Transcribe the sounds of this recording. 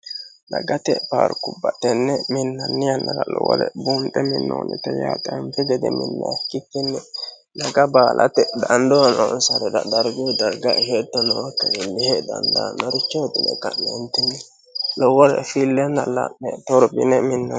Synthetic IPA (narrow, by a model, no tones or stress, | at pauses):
nɐɡɐt̪ɛpaːɾkʊbːɐt̪ːɛnːɛmɪnːɐnːɪjɐnːɐɾɐlɔwɔ̰lɛ̰buːnt̪ʼɛmɪnːo̰ːnɪ̰t̪ɛja̰ːt̪ʼɛmpɛɡɛd̪ɛmɪ̰nːɐkːɪkːɪnːɛ | nɐɡɐbaːlʔɐt̪ɛd̪ɐnd̪ɔnɔnsɐɾɛdɐ̰d̪ɐɾɡʊd̪ɐɾɡahet̪ːɔnɔwɔkːɐɪlːɪhed̪ɐnd̪a̰nɔɾɪt͡ʃːoːd̪ɪnɛkɐnɛnt̪ɪnːɛ | lɔwɔlɛ̰filːɛnːɐla̰nɛt̪ɔɾbɪ̰nɛmɪnːɐ